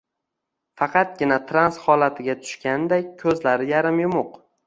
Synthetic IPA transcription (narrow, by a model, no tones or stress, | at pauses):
fɑqʰɑt̪̚ɡʲɪnat̪ʰɾansχɒlat̪ʰɪɡʲat̪ʰʊ̥ʃkʲand̪akʲʰɵzlaɾɪjaɾɪmjʊmʊq